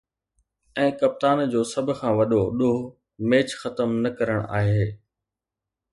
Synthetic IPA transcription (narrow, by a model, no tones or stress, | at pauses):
ɛ̃ːkɐp̚t̪aːnd͡ʑoːsɐbʱʊ̆kʰãːʋɐɗoɗoɦ | meːt͡ɕxɐt̪əmnɐkɐɾəɽ̃a̰ːɦeː